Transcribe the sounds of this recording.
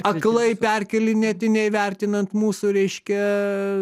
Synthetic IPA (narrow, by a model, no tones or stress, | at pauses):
ɐklˠɐɪpʲɛrʲkʲɛlʲɪnʲɛt̪ʲɪnʲɛɪʋʲɛrʲt̪ʲɪnɐnt̪muːsuɾʲɛɪʃʲkʲɛ